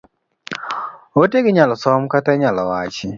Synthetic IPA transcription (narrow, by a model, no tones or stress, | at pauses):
otekiɲalɔsɔm̩kataɲalɔwat͡ʃi